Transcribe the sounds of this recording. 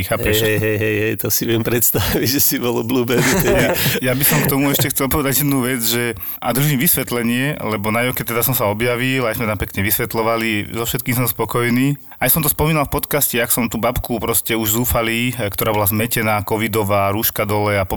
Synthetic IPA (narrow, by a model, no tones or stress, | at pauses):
xaːpɛʃɦɛjɦɛɦɛjɦɛjt̪ɔsiʋɪɛmpɾɛt̪st̪aʋiɟʒɛsibɔlɔbluːbɛniɛjabisɔmkt̪ɔmuɛʃcɛxt͡sɛlpɔʋɛd̪aɟjɛd̪nuʋɛd͡zʒɛ | ʔa̰d̪ɾ̩ʒiːmʋisʋɛt̪lɛɲɪɛlɛbɔnajɔkɛt̪ɛd̪asɔmsaɔbjaʋilajzmɛt̪ampɛkɲɛʋisʋɛt̪lɔʋalizɔfʃɛt̪̚kiːŋs̬ɔmspɔkɔjniː | ajsɔmt̪ɔspɔmiːnalˠfpɔt̪kascɛaksɔmt̪uːbapkupɾɔscɛuʒzuːfaliːkt̪ɔɾaːbɔlazmɛcɛnaːkɔʋid̪ɔʋaːɾuːʃkad̪ɔlɛapɔ